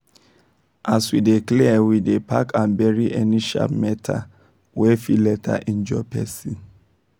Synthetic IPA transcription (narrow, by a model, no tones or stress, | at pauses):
ʔaswideklɛwidepʰakʰãnbɛɹiʔɛniʃa̰pmɛtʰa̰ | wɛfilɛtʰa̰ʔĩnd͡ʒɔpʰɛsĩn